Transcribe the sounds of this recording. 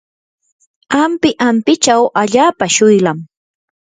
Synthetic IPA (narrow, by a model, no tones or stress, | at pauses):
ampɪʔampɪt͡ʃawʔaʎaːpaʃʊjlam